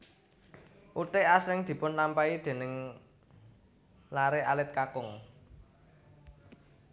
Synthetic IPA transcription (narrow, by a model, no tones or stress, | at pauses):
ʔut̪eʔasɪŋd̪̥i̤pʊnlampaid̪̥e̤nɪŋ | laɾeʔalɪt̪̚kakʊŋ